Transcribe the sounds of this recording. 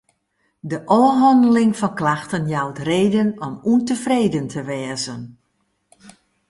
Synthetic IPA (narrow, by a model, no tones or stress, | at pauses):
dəʔɔːɦɔndəlɪŋfɔnklaxtənjawtreːdənɔmuntəfreːjdəntʰəʋɛːzən